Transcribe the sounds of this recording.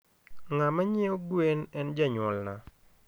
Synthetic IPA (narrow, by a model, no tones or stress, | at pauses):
ŋamaɲɪoɡwenɛnd͡ʒaɲʊɔlna̰